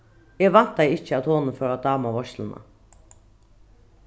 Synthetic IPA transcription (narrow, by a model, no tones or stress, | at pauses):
jɛːɡʋɑn̥t̪̚d̪æɪɪçəɑt̪ʰoːnəfœːɾɑd̪ɑːmɑʋɔʃlənʔə̰